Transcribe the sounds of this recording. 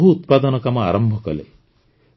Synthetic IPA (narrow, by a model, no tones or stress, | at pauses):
ɦuːt̪pad̪ɔnɔkamɔa̰ɾɔmbʱɔkɔlḛ